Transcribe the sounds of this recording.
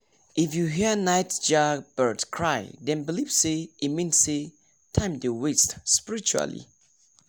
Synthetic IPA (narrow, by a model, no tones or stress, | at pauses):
ʔifjuɦiənajtd͡ʒab̥ə˞tkʰɹajdɛ̃nbilivseimẽnse | tʰãj̃mdewestspiɹit͡ʃua̰lḭ